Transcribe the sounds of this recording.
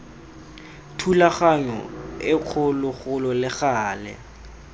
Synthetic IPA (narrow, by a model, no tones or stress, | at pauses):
tʰulaχaɲɔ̰ɪq͡χʰʊlʊχʊlɔlɪχaːlɛ̰